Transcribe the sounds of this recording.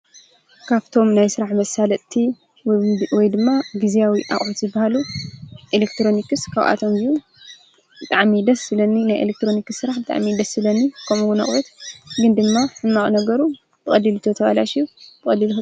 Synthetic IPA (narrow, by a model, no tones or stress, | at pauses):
kʰaβt̪ʰo̞mnajsɨɾaħmɐsalɐt̪t̪ʰi | wɔjd̪ɨmːaɡizijawiʔa̰χʼʕot̪zɨbːahaluʔelekt̪ʰɾo̞nikɨskʰaβʔa̰t̪ʰomiju | bɨt̪ʼaʕmid̪ɐsːɨlɐnːinajʔḛlek̚t̪ɾo̞nikɨsːɨɾaħbɨt̪ʼa̰ʕmid̪ɐsɨlɐnːikʰɐmuɡunɐ̰χʼwɐt̪ɡɨnd̪ɨmːaħɨnmaχʼnɐɡɐɾu | tʰɨχʼɐlːilɨt̪ʰot̪ʰɐβala̰ʃijub̪ʰɨkʼɐlːilx